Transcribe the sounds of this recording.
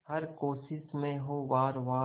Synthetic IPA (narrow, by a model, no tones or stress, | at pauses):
ɦɐɾkoːʃɪsmẽɦoʋaːɾʋaː